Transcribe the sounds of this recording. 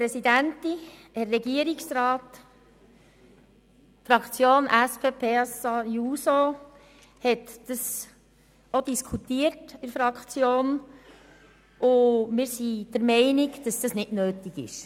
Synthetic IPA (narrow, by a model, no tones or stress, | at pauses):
pɾɛsidænti | hɛrːɛɡiəɾiksɾɑːt | fɾɑkt͡sjoːnʔæspʰeːpʰeːɑsɑjuːso | hɛt̪d̥əs | odiskʰutiːəɾtɪɾfɾɑkt͡sjoːn | ʔʊmɪːɾsid̪̥ɛɾmɛɪnikd̥ɑsd̥ɑsnɪdnøːtiɡɪ̰ʃ